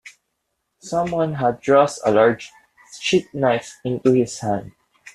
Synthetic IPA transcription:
sʌ̃mwʌ̃nɦad̪̚ːɹɔstəlaɹd͡ʒ | t͡ʃit̪̚naɪfɪ̃nt̪uhɪshæ̃nd̪̚

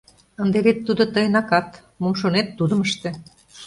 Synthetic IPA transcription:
ənd̪eβet̪ːud̪ŏt̪əjnɑkɑt̪ | momʃonet̪ːud̪ə̆məʃt̪ĕ

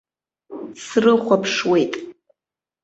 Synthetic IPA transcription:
srɨχʷapʰʂwe̞jtʼ

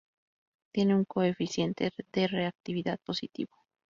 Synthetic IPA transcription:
t̪je̞neuŋko̞e̞fisje̞nt̪eðe̞re̞ak̚t̪iβiðað̚po̞sit̪ḭβo̥

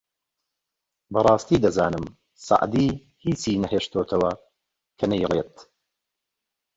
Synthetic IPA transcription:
bɐrˤɑːst̪iːd̪ɐzaːnɨm | sɑ̰ʔd̪iː | hiːt͡siːnɐɦeːʃt̪ʰoːt̪ʰɐwɐ | kʰɐnɐjleːt̪

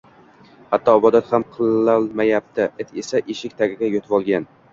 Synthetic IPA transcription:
hat̪ʰːɒːbɒd̪at̪hamqʰɨlːalˠmajap̚t̪ʰɪʔɪt̪ʰesaʔeʃɪkʲt̪ʰaɡʲɪɡʲajot̪ʰvɒlˠɡʲan

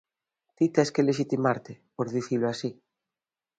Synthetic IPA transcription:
t̪it̪ɛskeleʃ̬it̪imaɾt̪epoɾðiθiloasi

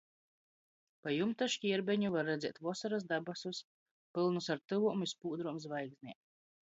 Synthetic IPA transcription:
pajumt̪aʃcʲiɛɾbɛɲuvaɾːɛd̪zʲɛt̪vuɔsaɾasd̪abasus | pɨlˠnusaɾt̪ɨvuɔmispuːd̪ɾuɔmzvajɡznʲḭɛm

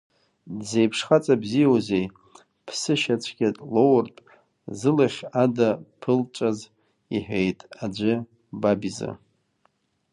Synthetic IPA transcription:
dzejpʰʂχat͡sʼabzijawzej | pʰsɨʃat͡ɕʷʰɡʲatʼlowrpʼ | zɨlaχʲadapʰɨlt͡ʃʷʼaz | iħᶣʷejtʼad͡ʒʷɨ | babiza̰

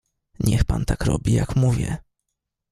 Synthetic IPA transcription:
ɲɛxpant̪akɾɔ̰bʲijakmuvʲjɛ

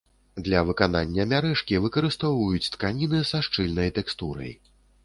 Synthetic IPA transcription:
d̪lʲɐvɨkana̰nʲːɐmʲaɾɛʂkʲivɨkɐɾɨst̪ɔvɐjut͡sʲt̪kanʲinɨsaʂt͡ʂɨlʲnɐjt̪ɛkst̪uɾɐ̰j

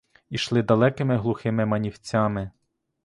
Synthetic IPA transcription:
iʃlˠɪd̪ɐlˠɛkɪmɪɦlˠʊxɪmɪmɐnʲiwt͡sʲamɪ

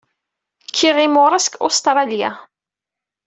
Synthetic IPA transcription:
kʰːiʁimʊɾˤɑskost̪ɾˤɑlja̰

